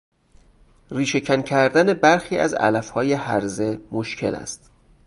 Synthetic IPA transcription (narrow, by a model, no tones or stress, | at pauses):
riːʃe̞cʰæncʰæɾd̪æne̞bæɾxiːʔæ̰zæ̰læfhɒːje̞hæ̰ɾze̞mo̞ʃcʰe̞̰læ̰st̪